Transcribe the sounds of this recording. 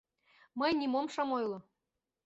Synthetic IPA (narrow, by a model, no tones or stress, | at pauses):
mɤjnʲimomʃɑmojlˠɤ̆